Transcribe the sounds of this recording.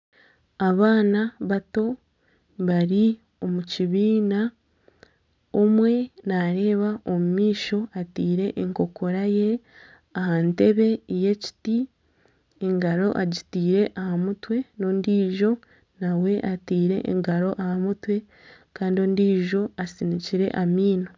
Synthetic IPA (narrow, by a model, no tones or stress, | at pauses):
aβaːnaβato̞ | βaɾi | o̞muciβiːna | omwe̞naɾe̞ːβaʔo̞mumiːʃo̞atiːɾe̞ʔːŋko̞ko̞ɾaje̞ | ahante̞βe̞ije̞ci̥ti | eŋɡaɾo̞ʔaɟitiːɾe̞ʔahamutwe̞no̞ːndiːʒo̞ | nawe̞ʔatiːɾe̞̰ʔːŋɡaɾo̞ʔahamutwe̞ | kaːndio̞ːndiːʒo̞asiniciɾe̞̰ʔamiːno̞